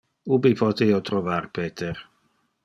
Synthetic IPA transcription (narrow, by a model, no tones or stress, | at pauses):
ubipʰɔt̪eot̪ɾɔvarpeːt̪ʰeɾ